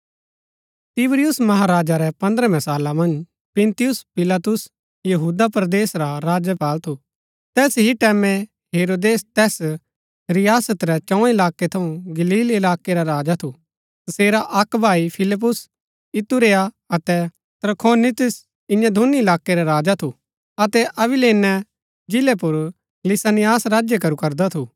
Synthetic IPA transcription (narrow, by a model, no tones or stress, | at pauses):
t̪ɪbɾɪjʊsmɐɦaɾaːd͡ʒaɾɛpɐ̃nd̪ɾɛmɛsaːlamɐ̃nd͡ʒ | pɪ̃nt̪ɪjʊspɪlaːt̪ʊs | jɐɦuːd̪apɾd̪eːsɾaɾaːd͡ʒəpaːlt̪ʰu | t̪ɛːsɦiʈɛːmɛ̃ | ɦeːɾoːd̪eːst̪ɛːs | ɾɪjaːsət̪ɾɛt͡ʃɐ̃ʊɛ̃ɪlaːkːet̪ʰɐ̃ũɡɐliːlɪlaːkːeɾaɾaːd͡ʒat̪ʰu | t̪ɐseːɾaʔɐkbʱaːipʰɪlɪp̬ːʊs | ɪt̪uɾeːa | ɐt̪ɛ | t̪ɾkʰoːnɪt̪ɪs | ɪ̃jãd̪ʱuniɪlaːkːeɾaɾaːd͡ʒat̪ʰu | ɐt̪ɛʔɐbɪleːnːɛ | d͡ʒɪlɛpʊɾ | lɪsaːnɪjaːsɾaːd͡ʒjekɐɾukɐɾd̪at̪ʰu